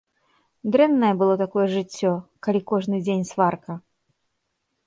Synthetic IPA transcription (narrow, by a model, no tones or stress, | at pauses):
d̪ɾɛnːɐjɛbɨlˠɔt̪akɔjɛʐɨt͡sʲːɔkalʲikɔʐnɨd͡zʲenʲsvarkɐ